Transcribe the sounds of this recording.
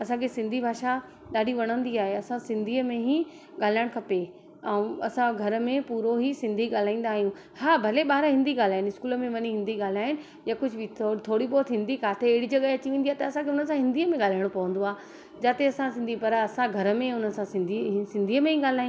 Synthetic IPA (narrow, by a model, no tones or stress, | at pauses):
ɐsãkʰesɪ̃nd̪ʱibʱaːʃa | ɗaːɗiʋɐɽ̃ə̃nd̪iaːɦeɐsãsɪ̃nd̪ʱiːəmẽɦi | ɠaːl̤aːɪɽ̃kʰɐpe | ɛ̃ũɐsãɡʱɐɾə̆mẽpuːɾoɦisɪ̃nd̪ʱiɠaːl̤aːĩːn̆d̪aːɦijũ | haːbʱɐleɓaːɾɦɪ̃nd̪ʱiɠaːl̤aːɦɪ̃nɪskuːləmẽʋɐɲiɦɪ̃nd̪iɠaːl̤aːɦɪnɪ̆ | jakʊd͡ʑʱʊʋt̪ʰːt̪ʰoːɽiɓɔːt̪ɦɪ̃nd̪ʱikʰaːt̪ʰeːɦɪɽid͡ʑɐɠaɐt͡ɕiʋẽːnd̪iaɦet̪ɐɐsãkʰeʊnəsãɦɪ̃nd̪ʱiːəmẽɠaːl̤aːɪɽ̃pɐʋə̃nd̪oaː | d͡ʑaːt̪eɐsãsɪ̃nd̪ʱipɐɾɐsãɡʱɐɾəmẽʊnəsãsɪ̃nd̪ʱisɪ̃nd̪ʱiːəmẽɦĩɠaːl̤aːj̃